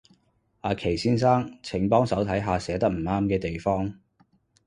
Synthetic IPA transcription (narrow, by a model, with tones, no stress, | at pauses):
ʔaː˨˧kʰe˨˩jsiː˥nsaː˥ŋt͡sʰɪ˨˩ŋpɔː˥ŋsɐ˨˥wt̪ʰɐ˨˥jɦaː˨˧sɛː˨˥t̪ɐ˥k̚m̩˨˩aː˥mkɛː˧t̪e˨jfɔː˥ŋ